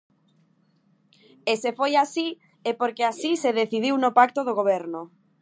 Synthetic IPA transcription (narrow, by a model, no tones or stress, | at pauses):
esefojasi | epoɾkeasiseðeθið̞iwnopakt̪oð̞oɣ̞oβ̞ɛɾno